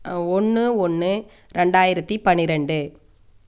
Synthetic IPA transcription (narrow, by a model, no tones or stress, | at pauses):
ɔnːɯɔnːɯ | ɾɛɳɖaːjɪɾɐt̪ːipɐnːɪɾɛɳɖɯ